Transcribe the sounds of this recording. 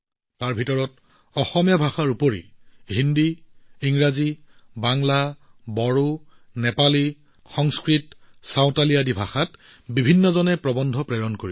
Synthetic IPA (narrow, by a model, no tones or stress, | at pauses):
taɹbʱitɔɹɔt | ɔxɔmijabʱaxaɹupoɹḭɦindiiŋɹazibaŋla | bɔɹu | nɛpali | xɔŋskɹitsawtaliadibʱaxat | bibʱinːɔzɔnɛpɹɔbɔndʱɔpɹɛɹɔnkoɹi